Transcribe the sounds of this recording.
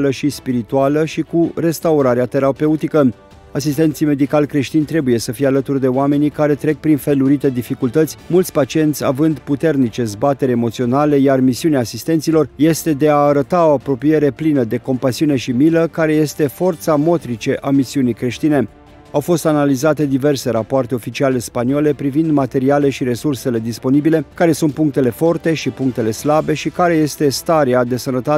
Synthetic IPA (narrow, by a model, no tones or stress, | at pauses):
ləʃispiɾit̪ualəʃikure̞st̪auɾaɾeat̪e̞ɾape̞ut̪ikə | asist̪e̞nt̪sijme̞d̪ikalʲkɾe̞ʃt̪inʲt̪ɾe̞buje̞səfijealət̪urd̪e̞oame̞nikaɾe̞t̪ɾe̞k̚pɾinfe̞luɾit̪e̞d̪ifikult̪ət̪sʲmult̪sʲpat͡ʃie̞nt̪sʲa̰vɨnd̪put̪e̞rnit͡ʃe̞zbat̪e̞ɾʲemo̞t̪sio̞nale̞jarmisiuneaːsist̪e̞nt̪silo̞rje̞st̪e̞d̪e̞aːɾət̪ao̞apɾo̞pije̞ɾe̞plinəd̪e̞ko̞mpasiune̞ʃimiləkaɾe̞je̞st̪e̞fo̞rt̪samo̞t̪ɾit͡ʃe̞ʔamisiunijkɾe̞ʃt̪ine̞ | awfo̞st̪analizat̪e̞d̪ive̞rse̞ɾapoart̪e̞o̞fit͡ʃiale̞spaniole̞pɾivind̪mat̪e̞ɾiale̞ʃiɾe̞surse̞le̞d̪ispo̞nibile̞kaɾe̞sunt̪̚puŋkt̪e̞le̞fo̞rt̪e̞ʃipuŋk̚t̪e̞le̞slabe̞ʃikaɾe̞je̞st̪e̞st̪aɾead̪e̞sənət̪a